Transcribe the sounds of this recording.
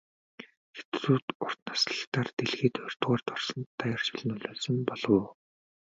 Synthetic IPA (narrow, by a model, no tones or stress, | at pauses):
xe̥t͡sruːt̪ʊr̥t̪nḁsɮə̆χt̪aːrt̪eɮɣeːt̪œr̥ʲt̪ʁɔːrt̪ʰɔrsɞ̆nːajr̥t͡ɕɪ̆ɮɘ̆nʊɮʲʊːɮsɞ̆mpɔɮɞ̆ː